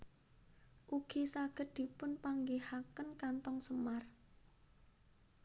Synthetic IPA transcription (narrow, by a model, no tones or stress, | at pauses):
ʔuɡ̥isaɡ̥ə̤t̪̚d̪̥i̤pʊnpaŋɡehakənkant̪ɔŋsəmar